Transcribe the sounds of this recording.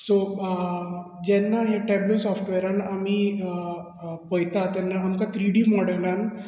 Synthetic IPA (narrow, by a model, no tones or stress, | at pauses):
so | d͡ʑɛnːaɦeʈɛblosɔfʈʋɛɾanamiː | pəjt̪at̪jɛnːaːmkat̪ʰɾiɽiːmɔɽəlan